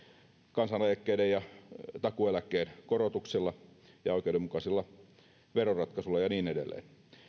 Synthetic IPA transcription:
kɑnsɑneˑjkːeidejjɑt̪ɑkuelækːˑeːnkorot̪uksilːɑjɑoˑikˑeudˑemukɑsilːɑ | ʋerorɑt̪kɑsulːˑɑjɑniːnedḛlːˑḛːn

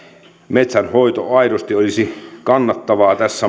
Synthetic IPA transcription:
met̪sænhoit̪oɑiɾost̪iolisikɑnːɑt̪ːɑʋɑːt̪æsːæ

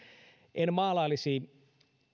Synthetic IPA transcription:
ʔenmɑːlɑlːisiː

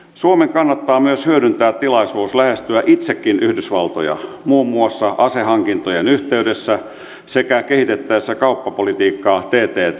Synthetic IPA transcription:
suomeŋkɑnːɑt̪ːɑːmyøshyøɾynt̪æːt̪tilɑisuːslæhest̪yæʔit̪sekːinyhdysʋɑlt̪o̰jɑ̰ | muːmːuɑsːɑʔɑsehɑŋkint̪ojenyht̪eydesːæ | sekækehit̪et̪ːæesːækɑupːɑpolit̪iːkːɑːt̪eːt̪eː

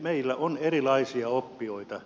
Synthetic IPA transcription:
meilːæonerilɑisiɑopːioit̪ɑ

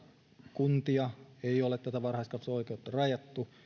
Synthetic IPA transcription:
kunt̪iɑeiolet̪t̪æt̪æʋɑrhɑist̪kɑnsoikeut̪ːɑrɑjɑt̪ːu

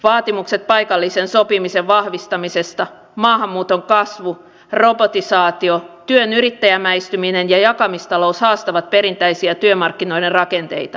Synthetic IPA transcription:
ʋɑːt̪imukset̪̚pɑikɑlːisensopimiseʋʋɑhʋist̪ɑmisest̪ɑ | mɑːhɑmːuːt̪oŋkɑsʋu | ro̞bot̪isɑːt̪iot̪yønyɾit̪ːæjæmæist̪yminenjɑjɑkɑmist̪ɑlo̞ushɑːst̪ɑʋɑt̪̚peɾint̪æisiæt̪yømɑrkːino̞iderrɑkent̪eit̪ɑ

